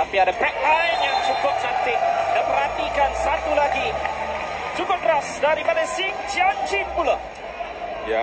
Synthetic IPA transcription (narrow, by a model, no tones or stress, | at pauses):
t̪apiadabɛk̚t̪ajmjaŋt͡ʃukʊp̚sant̪ɪŋdəpəɾɦat̪ikansat̪ulaɡi | t͡ʃukʊprasdaɾipadasɪŋd͡ʒand͡ʒɪmpula